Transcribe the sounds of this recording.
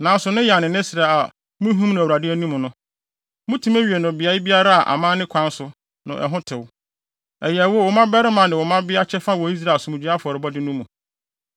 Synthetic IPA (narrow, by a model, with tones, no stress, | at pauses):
nã˨˦n˦sʊ˨nʊ̃˦ja˨nɪ̃˨nɪ̃˦sɾa˨a˨ | mʊ̃˦ɦũ˦mñ˨æ˨u˨ɾa˨dɪ˦æ˦nũ˦m̃˨nʊ̃˦ | mʊ̃˦tʰũ˦mæ˦ɥi˨e˨nʊ̃˨bɪ˨a˦ɪ˦bi˦a˦ɾa˦a˨ʔa̰˨mãː˦nɪ̃˦kʷʰã˦n˦sʊ˨ | nʊ̰̃˨ʔɛ̰˨ɦʊ̃˦tʰɪ˨w | ɛ˨jɛ˨ɛ˨wɔ˦˨wɔ˨mã˦bɛ˦ɾɪ˦mã˨nɪ̃˨wɔ˨mã˦bɪ˦a˦t͡ɕʰɛ˦fa˦wɔ˨i˦s̬ɾa˨sʊ˦mʊ̃˨d͡ʑi˦a˦fʊ˨ɔ˨ɾɪ˨bɔ˦dɪ˦nũ˦mũ˨